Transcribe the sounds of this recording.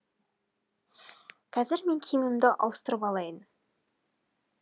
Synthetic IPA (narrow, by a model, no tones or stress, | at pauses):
kʲʰæzɪɾme̞ŋkʲʰijmɪmd̪ɪʔɑ̰wəst̪əɾəpɑlˠɑjən